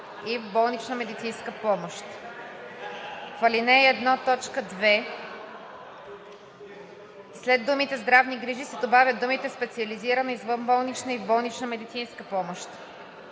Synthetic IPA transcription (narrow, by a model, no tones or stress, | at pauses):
ivbɔlˠnit͡ʃnəmɛd̪it̪sinskəpɔmoʃt̪ | fɐlinɛɛd̪nɔt̪ɔt͡ʃkəd̪vɛ | slɛd̪d̪ːumit̪ɛzd̪ɾavniɡɾiʒisɛd̪obavʲjɐd̪̚d̪umit̪ɛspɛt̪siɐliziɾənəizvəmbɔlˠnit͡ʃnəivbɔlˠnit͡ʃnəmɛd̪it̪sinskəpɔmoʃt̪